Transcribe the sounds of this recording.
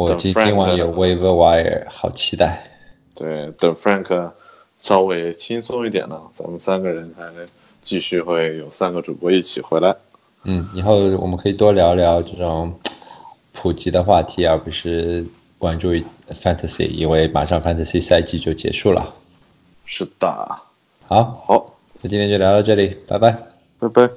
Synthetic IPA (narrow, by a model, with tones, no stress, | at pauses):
wɔ˨˩˨t͡ɕi˥t͡ɕi˥ŋwa˧˥njo˨˩ʊwe˥ɪvə˥˧wa˧˥jɛ̰˧˨˧xɑ˨˩ʊt͡ɕʰi˧˥t̪a˥˩ɪ | t̪we˥˩ɪt̪ə˨˩ŋfɹa˥˩ŋkʰə˩ | ʂɑ˥ʊwe˧˥ɪt͡ɕʰi˥ŋsʊ˥ŋi˥˩t̪̬jɛ̰˨˩nə˦t͡sa̰˧˥mə˧˨nsa˥nɡə˨ɻə˧˥nt͡sa˧˥ɪ | t͡ɕi˥˧ɕy˥˧xwe˥˩ɪjo˨˩ʊsa˥nɡə˨ʈ͡ʂṵ˨˩pwɔ˧˥i˥˩t͡ɕʰi˨˩xwe˧˥ɪla˧˥ɪ | n̩˥˩i˨˧˩xo˥˩ʊwɔ̰˨˩mə˦kʰɤ˧˥i˨˩t̪wɔ˥ljɑ˧˥ʊljɑ˧˥ʊʈ͡ʂɤ˥˩ʈ͡ʂʊ˨˩˦ŋ | pʰu˨˩t͡ɕi˧˥d̪ə˧xwa˥˩t̪ʰi˧˥a˥˩pu˧˥ʂɻ̩˥˩ | kwa˥nʈ͡ʂu˥˧˥fa˥nt̪ʰa˧sḭ˧˩ḭ˨˩we˥˩ɪma̰˨˩ʂɑ˥˧ŋfa˥nt̪ʰa˧˩si˥˩sa˥˧ɪt͡ɕi˥˧t͡ɕjo˥˩ʊt͡ɕjɛ̰˧˥ʂu˥˩lə̰˩ | ʂɻ̩˥˩d̪̥ə̰˩ | xɑ˧˥ʊxɑ˧˥ʊ | ɔ˨˩t͡ɕi˥ɛ˥t͡ɕo˥˩ljɑ˧˥ɑ˥˧ʈ͡ʂɤ˥˩li˨˩˦pa˨˩ɪba˥˩ɪ | e˥˧ɪpe˥˩ɪ